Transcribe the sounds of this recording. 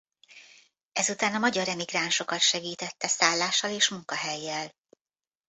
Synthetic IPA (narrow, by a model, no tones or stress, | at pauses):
ɛzut̪aːnɒmɒɟɒɾɛmiɡraːnʃo̞kɒt̪ʃɛɡiːt̪ɛt̪ːɛsaːlːaːʃːɒleːʃmuŋkɒɦɛjːɛl